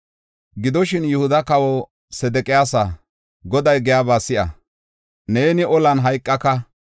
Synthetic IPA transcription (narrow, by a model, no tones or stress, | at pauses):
ɡɪd̪ɔʃɪnjʊhʊd̪ɐkɐwɔ | sɛd̪ɛkʼɪjaːsɐ | ɡɔd̪ɐjɡɛjaːbaːsɪʔɐ̰ | neːnɪʔɔlɐnɦɐjkʼːɐkɐ